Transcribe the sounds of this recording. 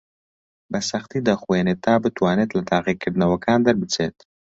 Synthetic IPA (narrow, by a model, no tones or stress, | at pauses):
bɐsɐxt̪id̪ɐxweːnet̪ːaːbɨt̪waːneːt̪lɐt̪aːɣikʰɪɾnɐwɐkaːnd̪ɐɾbɨt͡sʰeːt̪